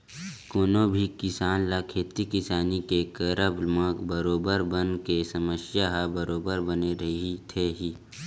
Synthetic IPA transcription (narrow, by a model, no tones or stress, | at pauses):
koːnobʱikɪsaːnlakʰeːt̪ikɪsaːnikekəɾəblmãbəɾoːbəɾbənkesɐməʃjaɦabəɾoːbəɾbəneɾɐɦit̪ʰeɦiː